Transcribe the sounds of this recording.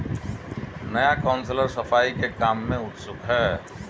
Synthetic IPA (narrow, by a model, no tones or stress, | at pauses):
nəjakaʊnsləɾsəpʰaːikekaːmːẽʊt̪sʊkɦɛː